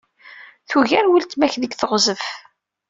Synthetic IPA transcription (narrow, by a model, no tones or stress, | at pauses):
θuʝæɾwəlt̪mæçðəɡθəʁzəf